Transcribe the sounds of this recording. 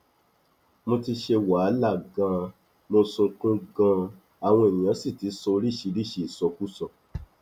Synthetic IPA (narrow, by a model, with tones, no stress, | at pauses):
mo˧ti˧ʃe˧wa˨˦la˦˨ɡã˧ | mo˧sũ˧kũ˦ɡã˧ | a˨w̃ɔ̃˧e˨ɲĩ˨ã˨˦si˦˨ti˨˦sɔ˧ɾi˦˨ʃi˧˦ɾi˦˨ʃi˧˨i˨sɔ˧ku˦sɔ˧˨